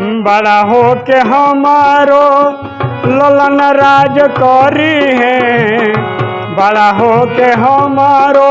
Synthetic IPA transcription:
bəɽaɦokeɦəmaːɾo | lolənɾaːd͡ʒkɔɾiɦɛ̃ | bəɽaɦokeɦəmaːɾo

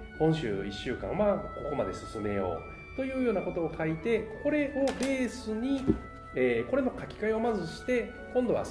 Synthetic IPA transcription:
hõ̞ɰ̃ɕɨ̰ːiɕːɨːkã̰ɰmako̞ko̞mad̪e̞sɨsɨme̞jo̞̰ː | t̪o̞jɯ̟ːjo̞ːnako̞t̪o̞ːkait̪e̞kʰo̞ɾe̞ʔo̞be̞ːsɨɲ̟i | eːko̞ɾe̞no̞kakʲi̥kaio̞mazɨɕi̥t̪e̞ | kõnd̪o̞βa̰

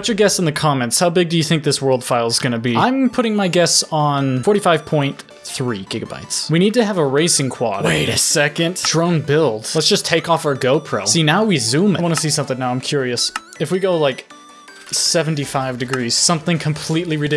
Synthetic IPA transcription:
wʌt͡ʃə˞ɡɛstsn̩ðɨkʰɑmɛ̃ntshaʊbɪɡ̚dɨjɨθɪ̃ŋk̚ðɪswɜ˞lˠd̥faɪlˠzɡʌñɨbiãɪ̃mpʰʊɾɪ̃ŋmaɪɡɛstn̩fɔɹɾifaɪv̥pʰɔ̃ɪ̃n | θɹiɡ̥ɪɡɨba̰ɪtswiñid̚tɨːvəɹeɪsɪ̃ŋkʰw̥ɑ̰ɾweɪɨsɛkɨ̃ndɹ̥õʊ̃nbɪlˠd̥lətsd̥ʒ̥ʌstʰeɪkɔfəɡoʊpʰɹ̥o̰ʊsinaʊwizʉ̃mɨwɑ̃nɨsisʌ̃mθɪ̃ŋnaʊãɪ̃mkʰj̥ʊɹiɨs | ɨfwiɡoʊlaɪk | sɛvn̩tifaɪvdɨɡɹiz̥sʌ̃mθɪ̃ŋkʰə̃m̩pʰl̥itˡliɹɨdɪ

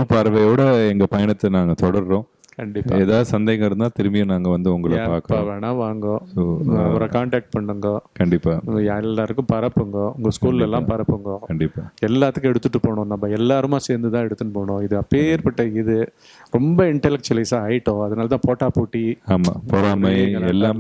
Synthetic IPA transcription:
pɐɾɐʋɐjoːɽɐɛŋɡɐpɐjɐɳɐt̪ːɐnaːŋɡɐt̪ɔɽɐɾɾõː | kɐɳɖɪpːa̰eːðaːðɯsɐnd̪ejɐŋɡɐɪɾɯnd̪aːt̪ɪɾɯmɪjɐ̃naːŋɡɐʋɐnd̪ɯʊŋɡɐɭɐpaːɾkɐaʋeːnaːʋaːŋɡõsoːʋɔɾɐkaːɳʈaːk̚ʈ̚pɐɳːɯŋɡɐkɐɳɖɪpːaːaɛlːaːɾɯkːɯ̃pɐɾɐpːɯŋɡɐʊŋɡɐskuːlɪlɛlːãːpɐɾɐpːɯŋɡokɐɳɖɪpːaɛlːaːt̪ːɯkːɛɽɯt̪ːɯʈːɯpoːɳõnaːpːɐɛlːaːɾɯmaːseːɾnd̪ɯt̪ãːɛɽɯt̪ːɯnːɯpoːɳõːɪðɯɐpːeːɾpɐʈːɐɪðɯ | ɾɔmbɐɪɳʈɐlɛk̚t͡ʃɐlɐɪsaːɐɪɪʈːõːɐðɐnaːlɐt̪ãːpoːʈːaːpoːʈːiaːma̰ːpɔɾaːmɐɪɡɐɛlːaː

